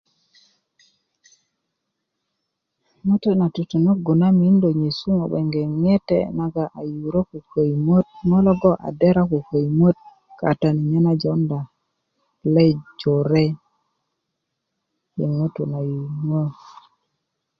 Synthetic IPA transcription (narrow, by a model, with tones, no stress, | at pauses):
ŋo˦to˦na˨tu˨tu˨no˦ɡu˨na˦mi˨˦ndo˨ɲe˨su˦ŋo˨ɓḛ˨ŋɡe˨ŋe˦tɛ̰˦˨na˦ɡa˨ʔa˨ju˨ɾo˦ku˨ko˨jmo˦t̚ŋo˦lɔ˦ɡɔ˦ʔa̰˨de˦ɾa˦ku˨ko˨jmo˦t̪̚ | ka̰˨ta˨ni˨ɲe˦na˦d͡ʒɔ˦nda˨ | le˦d͡ʒo˨ɾe˦ | je˨ŋo˦to˨na˨ju˨ŋo˦